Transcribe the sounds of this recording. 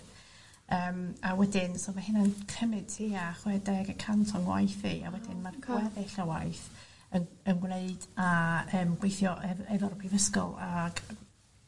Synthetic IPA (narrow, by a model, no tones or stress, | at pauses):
əːmawɛdɪnsomahɪnankʰrɛmɨd̥̚tʰiːaχwɛdɛɡəkʰantʰɔnwa̰jθḭa̰wɛdɪnmarkʰwɛðɛɬawa̰ɨθ | ənənɡneɨd̥aəːmɡ̥wejθjɔʔɛɛðɔrpʰivəskɔ̰lˠaɡ̥